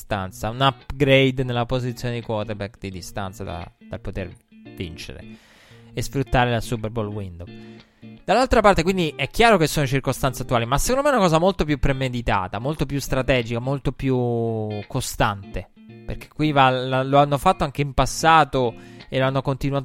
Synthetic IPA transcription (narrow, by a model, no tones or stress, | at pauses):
st̪a̰nt̪saunapɡɾejd̪nelːapozit̪sːjoːned̪ikwɔt̪erbɛkd̪id̪ist̪a̰nt̪sad̪a̰d̪̥alpot̪er | vḭnt͡ʃḛɾḛ | esfɾut̪ːaːɾelasup̬erbolwind̪o | d̪̥alːalt̪ɾapart̪ekwind̪iʔɛkːjaːɾokesːoːnoit͡ʃirkost̪ant̪seat̪ːuaːlimasːekond̪omeɛunakɔːzamolt̪opjupːɾemed̪it̪a̰ːt̪amolt̪op̬just̪ɾat̪ɛːd͡ʒikamolt̪opjukːost̪ant̪e | pḛrk̟e̥kːwivalaloanːofat̪ːoaŋk̟eimpasːaːt̪oeloanːokont̪inuaːt̪